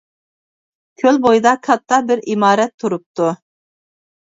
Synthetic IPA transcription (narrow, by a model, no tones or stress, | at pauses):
kʲʰølbojd̪ɑkʰɑt̪ʰːɑbɪɾimɑːɾɛt̪ʰːuɾup̚t̪u